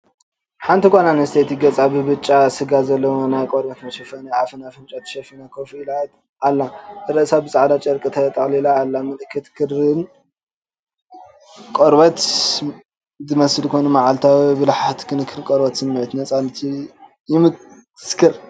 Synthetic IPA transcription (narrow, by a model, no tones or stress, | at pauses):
ħant̪ʰikʷʼananɐst̪ʰejt̪iɡɐt͡sʼabɨbɨt͡ʃʼːasɨɡazɐlːɐwonajkʼoɾbɐt̪mɐʃɐfɐnɐafɨnafɨnt͡ʃʼat̪ʰɨ̥ʃɐfinakʰofilat̪ | alːaɨɾɐʔsabɨt͡sʼaʕd̪at͡ʃʼɐɾkʼɨt̪ʰajt̪ʼɐχʼlilaːlːamɨt̪ʼɨkʰːɨt̪kʰɨɾɨn | kʼoɾbɐt̪ | zɨmɐsɨlkʰojnumaʕalt̪ʰawibɨlħat̪kʰɨnɨkʰːɨnkʼoɾbɐt̪sɨmːɨʕɨt̪nɐt͡sʼanɨt̪ʰi | jɪmɨ | ɨskʰɨɾ